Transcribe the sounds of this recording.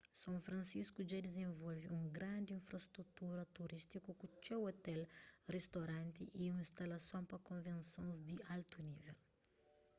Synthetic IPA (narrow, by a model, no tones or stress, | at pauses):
sɐ̃w̃fɾɐ̃nsiskuʒad̪ezẽvɔlviũɡɾɐ̃nd̪ĩfɾɐst̪ɾut̪uɾɐt̪uɾist̪ikukut͡ʃewot̪ɛlrest̪oɾɐ̃nt̪iʔiũĩst̪ɐlɐsõw̃pɐkõvẽnsõzd̪ialt̪univḛl